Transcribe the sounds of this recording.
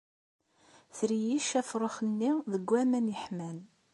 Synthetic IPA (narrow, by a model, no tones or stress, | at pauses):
θɾijiʃæfɾˤəχənːiðəɡʷːæmænjəħmæn